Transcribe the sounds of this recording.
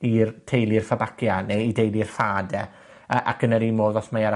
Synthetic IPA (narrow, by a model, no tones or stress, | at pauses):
irtʰejlˠirfabakjaneidejlirfaːdɛ | əʔakənəɾimoːðɔɬmajaɾa